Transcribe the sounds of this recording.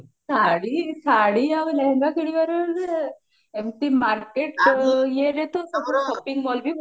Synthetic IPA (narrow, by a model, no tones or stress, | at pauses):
saɽisaɽiaʋləɦɛŋɡakiɽiʋəɾəl | emt̪imaɾkeʈ̚jeɾet̪osəpɾoʃopiŋɡmɔlbʱi